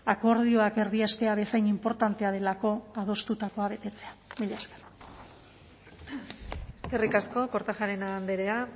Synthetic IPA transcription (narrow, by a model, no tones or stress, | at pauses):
ako̞ɾð̞io̞ake̞ɾðiast̪e̞aβe̞sajnimpo̞ɾt̪ant̪e̞aðe̞lako̞að̞o̞st̪ut̪ako̞aβ̞e̞t̪e̞t͡se̞amiʎaskera | eske̞rikasko̞ko̞ɾt̪axaɾenand̪eɾea